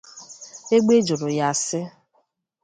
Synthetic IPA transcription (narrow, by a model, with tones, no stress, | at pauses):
e˦ɡ͡be˦d͡ʒo˨ɾʊ˨ja˨sɪ˦